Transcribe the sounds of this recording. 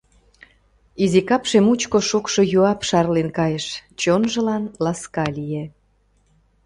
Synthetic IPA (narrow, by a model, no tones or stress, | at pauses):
izikɑpʃemut͡ɕkoʃukʃojuɑpʃɑrlenkɑjəʃt͡ɕonʒə̆lɑnlɑskɑlije